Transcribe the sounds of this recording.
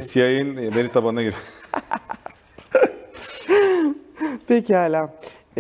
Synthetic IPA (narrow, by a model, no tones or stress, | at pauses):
siajɯnbeɾit̪ʰabanaɡiɾɛ | pʰecʰiaːlʲa